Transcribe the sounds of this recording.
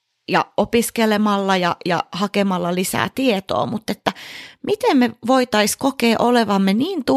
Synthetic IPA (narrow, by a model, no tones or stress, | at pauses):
jɑ̰opiskelemɑlːɑjɑjɑ̰hɑkemɑlːɑlisæ̰ːt̪iet̪o̰ːmut̪ːet̪ːæmit̪emmeʋoit̪ɑiskokeːʔoleʋɑmːeniːnt̪u